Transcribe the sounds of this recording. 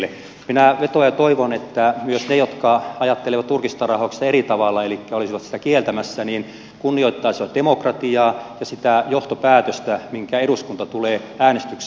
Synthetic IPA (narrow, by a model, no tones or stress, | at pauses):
e | minæʋet̪ojɑt̪oiʋonet̪ːæmyøsnejot̪kɑɑjɑt̪ːeleʋɑt̪t̪urkist̪ɑrɑhokst̪ɑerit̪ɑʋɑlːɑelikːæolisiʋɑt̪si̥t̪ækielt̪æmæsːæniːn | kunːioit̪ːɑisiʋɑt̪̚d̥emokrɑt̪iɑːjɑsit̪æjoht̪opæːt̪øst̪æmiŋkæeɾuskunt̪ɑt̪uleːæːnest̪yks